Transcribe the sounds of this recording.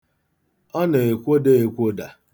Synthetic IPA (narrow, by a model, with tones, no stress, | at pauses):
ɔ˦ne˨e˨kʷo˦de˦e˨kʷo˦da˨